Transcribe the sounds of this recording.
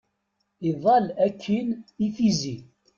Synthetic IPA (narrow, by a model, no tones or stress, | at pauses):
iðˤɑlækʰːinifizi